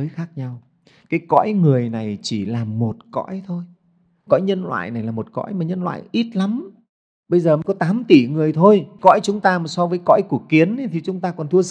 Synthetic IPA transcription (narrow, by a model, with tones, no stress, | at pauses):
ə˨˦jxaː˦˥k̚ɲa˧w | kaː˨˦jkɔ̰˧˥jŋɨ˨˩əjna˨˩jt͡ɕi˧˩laː˨˩mo˨˩t̚kɔ̰˧˥jt̪ʰo˧j | kɔ̰˧˥jɲə˧nlwa̰ː˧˨jna˨˩jlaː˨˩mo˨˩t̚kɔ̰˧˥jmaː˨˩ɲə˧nlwa̰ː˧˨jʔi˦˥t̚la˨˦m | ɓə˧jzəː˨˩mə˨˦jkɔ˨˦t̪aː˨˦mt̪i˧˩ŋɨ˨˩əjt̪ʰo˧jkɔ̰˧˥jt͡ɕʊ˨˦ŋ͡mt̪aː˧maː˨˩sɔ˧vəː˨˦jkɔ̰˧˥jku˧˩əkːi˨˦ən˨˦t̪ʰi˨˩t͡ɕʊ˨˦ŋ͡mt̪aː˧kɔ˨˩nt̪ʰɨ˧ə